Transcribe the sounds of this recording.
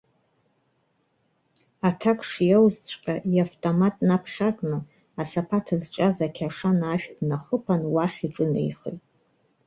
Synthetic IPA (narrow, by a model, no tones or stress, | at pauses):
atʰakʰʼʂijawzt͡ɕʷʰʼqʲʼaʔiaftʼomatʼnapʰχʲakʼnɨ | asapʰatʰɨzʈ͡ʂʼazakʲʰaʂanaʃᶣdnaχəpʰanwaχʲiʈ͡ʂʼɨnḛjχḛjtʼ